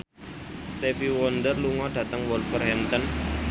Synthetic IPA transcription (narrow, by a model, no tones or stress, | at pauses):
st̪efiwɔnd̪ərluŋɔɖ̥ä̤t̪əŋwɔlfərɦɛnt̪ən